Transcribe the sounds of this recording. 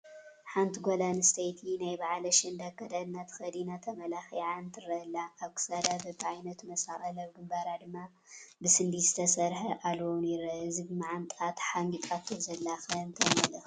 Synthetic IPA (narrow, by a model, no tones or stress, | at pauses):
ħant̪ʰɡolanɨst̪ʰejt̪ʰinajbaʕlɐʃɨnd̪akːɐd̪ad̪nːat̪ʰxɐd̪inat̪ʰɐmɐlaxijʕaɨnt̪ʰɨɾɐlːaʔaβkʰɨ̥sad̪abɐbʕajnɐt̪mɐsaʔɐlɐβɡɨmbaɾad̪ɨmːa | bɨsɨnd̪izɨt̪ʰɐsɐɾħɐʔalonɪɾɐɨzɨɡmaʕant̪ʼat̪ħaŋɡit̪ʼat̪ʰːozɐlːaxɐnt̪ʰɐmɐlɐx